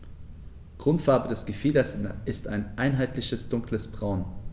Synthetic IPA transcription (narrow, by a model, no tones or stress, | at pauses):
ɡ̥ʁ̥ʊntfaɐbədɛsɡ̥əfiːdɐsʔɪstʰa̰ɪnʔaɪnɦaɪtlɪçəsd̥ʊŋkləsb̥ʁaʊn